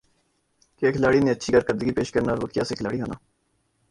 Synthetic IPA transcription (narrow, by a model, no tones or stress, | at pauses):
keːkʰɪlaːɽinẽːətːʃʰiːkəɾkəɾd̪əɡiːpeːʃkəɾnaːɾʋəkija̰ːseːkʰɪlaːɽiɦo̰ːna̰ː